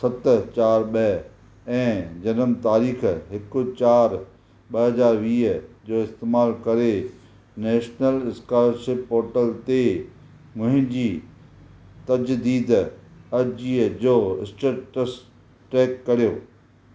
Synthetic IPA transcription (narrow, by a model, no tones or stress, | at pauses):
sɐt̪t͡ɕaːɾɓɐɦ | ɛ̃ːd͡ʑɐnəmt̪aːɾiːxɦɪkʊ̆t͡ɕaːɾ | ɓɐɦɐzaːɾʋiːɦd͡ʑoːɪst̪eːmaːlkɐɾe | nɛːʃnəlɪskaːləɾʃɪpɦoːɾʈəlt̪e | mʊ̃ɦɪ̃ɲd͡ʑiː | t̪ɐd͡ʑd̪iːd̪ɐd͡ʑiːd͡ʑoːɪsʈeːʈʈəs | ʈeːkːɐɾijoː